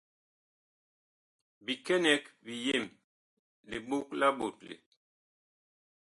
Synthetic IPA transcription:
bi˨kɛ˦nɛ˨k̚bi˨je˦˨m | le˨ɓo˦kla˦ɓo̰˨t̚lḛ˨

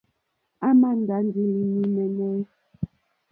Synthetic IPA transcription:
a˦ma˦n̩˨da˨˦n˦di˨li˨ni˨mɛ˨nɛ˦

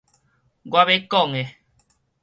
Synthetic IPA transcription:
ɡwa˧βe˦ko˦˨ŋe˨

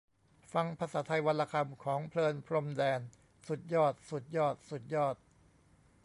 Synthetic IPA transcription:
fa˧ŋpʰaː˧saː˩˦t̪ʰa˧jwa˧la˧kʰa˧mkʰɔː˩˦ŋpʰlɤː˧npʰɾo˧mdɛː˧n | su˨˩t̪̚jɔː˥˩t̪̚su˨˩t̪̚jɔː˥˩t̪̚su˨˩t̪̚jɔː˥˩t̪̚

